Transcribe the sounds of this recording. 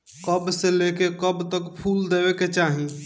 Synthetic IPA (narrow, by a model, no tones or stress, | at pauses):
kəbselekekəbt̪əkpʰuld̪ebeket͡ʃaɦi